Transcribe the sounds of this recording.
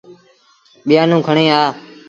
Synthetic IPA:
ɓɪjaːnũːkʰəɳẽːaː

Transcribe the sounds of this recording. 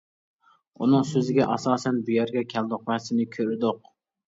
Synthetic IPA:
unɨŋsøzɪɡʲɛʔɑsɑːsɛnbujæɾɡʲɛkʲʰɛld̪ʊqwæsɪnɪkʲʰøɾɪd̪ʊq̚

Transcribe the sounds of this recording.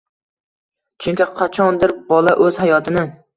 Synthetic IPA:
t͡ʃʰʊŋʲkʲɪqʰɑt͡ʃʰɒnd̪ɪɾbɒlˠaʔɵzhajɒt̪ʰɪnɪ

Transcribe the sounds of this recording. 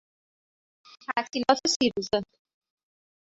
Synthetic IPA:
t̪ʰæsilɒːt̪ʰesiːɾuze

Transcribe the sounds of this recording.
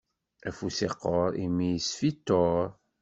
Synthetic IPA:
æfusiqːoɾimijəsfit̪ːoɾ

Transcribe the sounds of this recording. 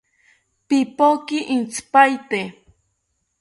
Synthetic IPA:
pipokiʔint͡spajt̪e

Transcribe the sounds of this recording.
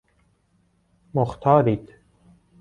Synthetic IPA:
mʊxt̪ʰɑːɾiːt̪

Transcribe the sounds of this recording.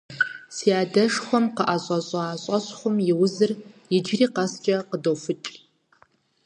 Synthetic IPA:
siaːdɐʂχʷɔmqəʔaɕʼɐɕʼaaːɕʼɐɕʼχʷʊmjɪwʊzɨrjɪd͡ʒriːqɐst͡ʃʼɐqədofɨt͡ʃʼ

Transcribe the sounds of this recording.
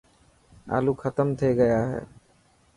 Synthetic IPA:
a̰ːluːkʰət̪əmt̪ʰeɡəjaːɦḛː

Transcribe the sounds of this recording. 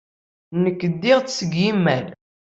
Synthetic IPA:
nəkːəd̪ːiʁt͡ssəɡjimːæn

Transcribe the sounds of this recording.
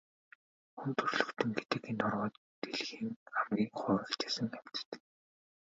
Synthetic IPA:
xunt̪ɵrɮɵ̥̆wt̪ɘ̆ŋɡet̪ɘ̆kent̪ɔrʁɔːt̪ | t̪eɮxiːŋamɡʲiːŋχʊːɾə̆kt͡ɕe̥ːsɘ̆ŋæm̥t͡s̆t̪ɘ̥̆

